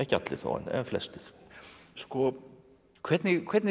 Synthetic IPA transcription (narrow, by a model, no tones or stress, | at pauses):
ɛhcɪat̪lɪθo̰ːa̰nɛ̰nflɛ̰st̪ɪθskɔ | kʰv̥ɛɾt̪nɪkʰvɛɾt̪n